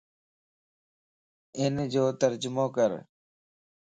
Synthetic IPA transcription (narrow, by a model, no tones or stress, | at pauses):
ɪnd͡ʑoːt̪əɾd͡ʒʊmoːkəɾ